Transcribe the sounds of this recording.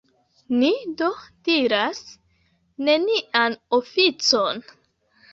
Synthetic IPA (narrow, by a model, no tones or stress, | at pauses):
nido̞d̥iɾas | ne̞niʔanofit͡so̞n